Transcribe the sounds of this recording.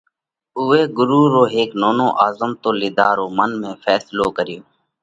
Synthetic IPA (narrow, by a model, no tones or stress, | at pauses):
ʊːeːɡʊɾuːɾoːɦeːknoːnoːʔaːzəmt̪oːlɪd̪aːɾoːmənmẽːfʰɛːsloːkəɾɪjoː